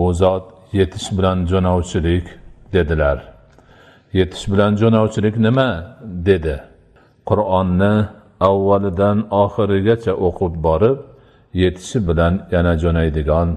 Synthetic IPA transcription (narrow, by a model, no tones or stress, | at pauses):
ʊzɒt̪ | je̞t̪ʰɪ̥ʃbɪland͡ʒɒnɒwt͡ʃʰɪlɪkʲd̪e̞d̪ɪlaɾ | je̞t̪ʰɪ̥ʃbɪland͡ʒɒnɒwt͡ʃʰɪlɪkʲnɪmad̪e̞d̪ɪ | qʰʊɾɒnːɪ | awːalɪd̪anɒχɪɾɪɡʲat͡ʃʰaʔoqʰʊp̚bɒɾɪp̚ | je̞t̪ʰɪ̥ʃɪbɪlanjanad͡ʒɒnajd̪ɪɡʲɒn